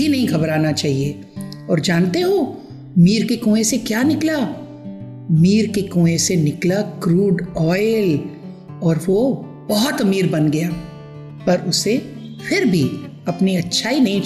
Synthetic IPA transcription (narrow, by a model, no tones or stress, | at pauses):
inɐɦĩkɐbɾaːnat͡ʃaːɦie | ɔːɾd͡ʒaːnt̪eɦoː | miːɾkekõːẽsekjaːnɪkla | miːɾkekõːesenɪklakɾuːɖɔːɪl | ɔːɾʋo | bɔɦɔt̪ɐmiːɾbɐnɡɐjaː | pɐɾʊse | fʰɪɾbʱi | ɐpniɐtːʃʰainɐɦĩ